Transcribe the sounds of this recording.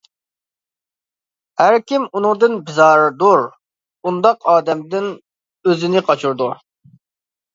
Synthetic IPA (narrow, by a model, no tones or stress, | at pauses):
hæɾkʲimunʊŋd̪ɨnbɪzɑːɾɨd̪uɾ | und̪ɑqɑːd̪ɛmd̪ɪn | øzɪnɪqʰɑt͡ʃʰuɾd̪u